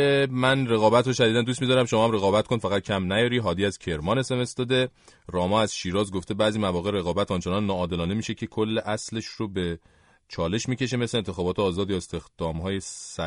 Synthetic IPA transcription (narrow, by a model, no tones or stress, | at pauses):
emænre̞ɣɒːbæt̪ʰɾoʃæd̪id̪ænd̪ust̪miːd̪ɒːɾæmʃomɒːhæmre̞ɣɒːbæt̪ko̞nfæɣæt̪̚cʰæmnæjɒːɾiɦɒːd̪iːæzcʰe̞ɾmɒːne̞se̞me̞sd̪ɒːd̪e̞ | ɾɒːmɒːæzʃiːɾɒːzɡo̞ft̪e̞bæːʔzimævɒːɣeɾe̞ɣɒːbæt̪ʰɒnt͡ʃenɒnːɒːd̪e̞lɒːnemiːʃe̞cʰe̞kʰolːeʔæsleʃrobe | t͡ʃʰɒːle̞ʃmiːce̞ʃ̬e̞meslent̪ʰexɒːbɒːt̪ʰeɒːzɒːd̪jɒːest̪e̞xd̪̥ɒːmɦɒːjesæ